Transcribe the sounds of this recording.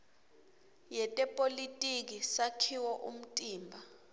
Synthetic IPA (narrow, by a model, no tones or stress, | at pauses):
jɛtʼɛpʼolitʼik̬isakʰiwɔʔṵm̩tʼiːmbʱa